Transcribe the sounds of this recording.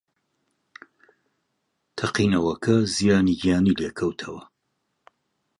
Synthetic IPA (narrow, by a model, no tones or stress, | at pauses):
t̪ʰɐqiːnɐwɐkʰɐzijaːniɡijaːnileːkʰɐwt̪ʰɐwɐ